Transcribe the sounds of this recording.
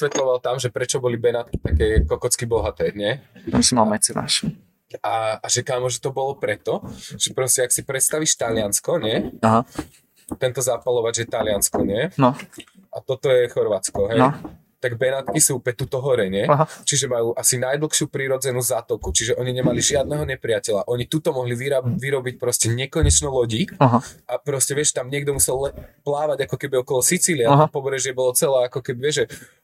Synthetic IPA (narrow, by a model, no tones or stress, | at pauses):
sʋɛt̪lɔʋalt̪amʒɛpɾɛt͡ʃɔbɔlibɛnat̪ki̥t̪akɛːkɔkɔt͡skibɔɦat̪ɛːɲɪɛt̪ɔmsimalmɛt͡sɛna̰ʃ | aaʒɛkamɔʒɛt̪ɔbɔlɔpɾɛt̪ɔʒ̥ɛpɾɔscɛaksipɾɛt̪st̪aʋiʃt̪alɪanskɔɲɛaɦa | t̪ɛnt̪ɔzapalɔʋad͡ʑʒɛt̪alɪanskɔɲɪɛnɔ | ʔat̪ɔt̪ɔjɛxɔɾʋat͡skɔɦɛj | t̪aɡbɛnat̪kisupɛt̪ut̪ɔɦɔɾɛɲɛt͡ʃiʒɛmajuːʔasinajd̪l̩ˠxʃɪupɾiɾɔd͡zɛnuzat̪ɔkut͡ʃiʒɛʔɔɲiɲɛmaliʒɪad̪̚nɛɦɔɲɛpɾiɪacɛʎa̰ʔɔɲit̪ut̪ɔmɔɦliʋiɾaʋiɾɔbic̚pɾɔscɛɲɛkɔɲɛt͡ʃnɔlɔɟiɦʔapɾɔscɛʋɪɛʃt̪amɲɪɛɡd̪ɔmusɛlɛplaːʋaɟakɔkɛbiɔkɔlɔsit͡siliaɔpɔbɾɛʒɪɛbɔlɔt͡sɛlɛːakɔkɛbiʋɛʒʒɛ